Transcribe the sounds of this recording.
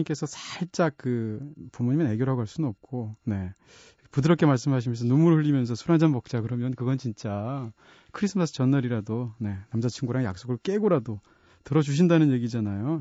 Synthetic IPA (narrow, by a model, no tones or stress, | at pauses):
imk͈e̞sʰʌsʰḁɭt͡ɕ͈ak̚k͈ɯpomuɲimene̞ɡjʌɾɦaɡoɦaɭs͈unnʌp̚k͈one̞ | pudɯɾʌk͈ʰe̞maɭs͈ɯmɦaɕ̬ʰimjʌnsʰʌnumuɾɯɭɸɯʎːimjʌns̬ʰʌsʰuɾand͡ʑanmʌk̚t͡ɕ͈akɯɾʌmjʌnkɯɡʌnt͡ɕint͡ɕ͈a | kʰɯɾis͈ʰɯmasʰɯ̥t͡ɕʌnːʌɾiɾadone̞namd͡ʑat͡ɕʰiŋɡuɾaŋja̰k̚s͈oɡɯɭk͈eɡoɾado | tɯɾʌd͡ʑuɕ̬ʰindanɯnje̞ɡid͡ʑanajo